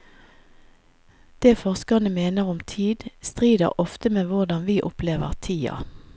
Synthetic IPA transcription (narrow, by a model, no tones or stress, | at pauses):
d̪̥eːfɔʁskɑnəmeːnəʁɔmt̪ʰiːd̪st̪ʁiːd̪ə̰ʁʔɔft̪əmeːʋʊʁd̪ɑnʋiːʔʊpleːʋəʁt̪ʰiːɑ̰